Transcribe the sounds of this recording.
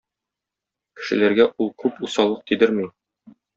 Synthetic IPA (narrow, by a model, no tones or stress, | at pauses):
kɘ̥̆ʃɘ̆læɾɡæʔulˠkʉpusɑlˠɤq̚t̪id̪ɘɾmi